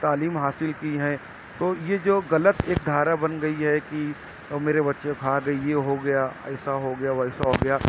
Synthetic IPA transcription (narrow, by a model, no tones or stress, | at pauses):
t̪aːliːmɦaːsɪlkiɦɛ̃ː | t̪oːjed͡ʒoːɣɐlət̪eːk̚d̪ʱaːɾabɐnɡɐiɦɛki | meːɾebɐtːʃẽkʰaːɡɐijeɦoɡɐjaɛ̰ːsaɦoɡɐjaɛːsaɦoɡɐjaː